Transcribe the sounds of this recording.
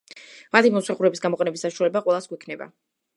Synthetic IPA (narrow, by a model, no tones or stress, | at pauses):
mat̪ʰimɔsaχuɾɛbisɡamɔqʼɛnɛbisːaʃualɛbaqʼwɛlˠasɡwɛkʰnɛba̰